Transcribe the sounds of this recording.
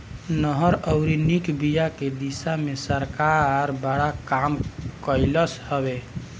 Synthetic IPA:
nəɦəɾəʊɾinikbijaked̪isamesəɾkaɾbəɽakamkəɪləshəbe

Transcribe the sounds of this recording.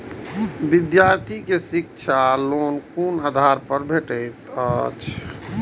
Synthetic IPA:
bid̪jaɾt̪ʰikesik̚t͡ʃʰalonkunad̪ʱaɾpəɾbʱeʈəɪt̪ət͡ʃʰ

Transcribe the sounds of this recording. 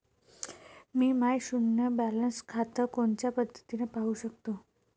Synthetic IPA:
miːmajɕunːjəbælənskʰat̪əkoɳt͡ɕjapəd̪ʱət̪inəpaɦuɕək̚t̪o

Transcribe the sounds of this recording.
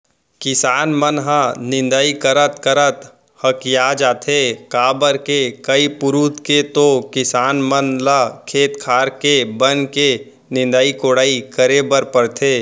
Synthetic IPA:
kɪsaːnmənɦãnɪ̃nd̪aikəɾət̪kəɾət̪ | həkjaːd͡ʒaːt̪ʰekaːbəɾkekəipʊɾuːt̪ket̪okɪsaːnmənlakʰeːt̪kʰaːɾkebənke | nɪ̃nd̪aikoːɽaːikəɾebəɾpəɾt̪ʰeː

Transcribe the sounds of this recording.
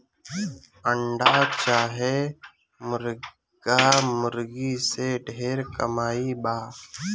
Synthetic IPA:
əɳɖaːt͡ʃaːɦeː | mʊɾ | ɡaːmʊɾɡiːseːɖʱeːɾkəmaːibaː

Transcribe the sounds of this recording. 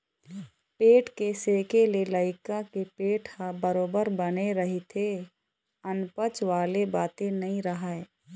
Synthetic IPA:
peːʈkeseːkeleləɪkakepeːʈhabəɾoːbəɾbəneɾəɦit̪ʰe | ənpət͡ʃʋaːlebaːt̪ẽnəĩɾəɦəe

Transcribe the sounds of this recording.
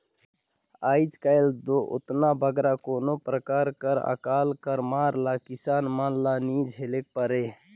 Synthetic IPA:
ajd͡ʒkald̪oʔo̰t̪nabʱəɡɾakonopɾəkaɾkəɾə̰kalkəɾmaɾlakisanmanlanid͡ʒɦelek̚pəɾe

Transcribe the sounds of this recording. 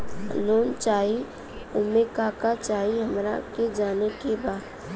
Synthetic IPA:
loːnt͡ʃaːi | ʊmekakat͡ʃaːiɦəmɾa̰ked͡ʒaːnekebaːd̪

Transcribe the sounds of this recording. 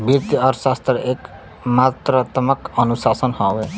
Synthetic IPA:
bjik̚t̪iɔɾsast̪ɾek | mat̪ɾt̪əməkənusasənhɔwe

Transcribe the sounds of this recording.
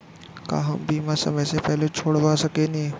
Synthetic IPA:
ka̰ːɦɐmbiːmãsɐ̰məjsepɛɦlet͡ʃʰoːɽʋasɐkenẽː

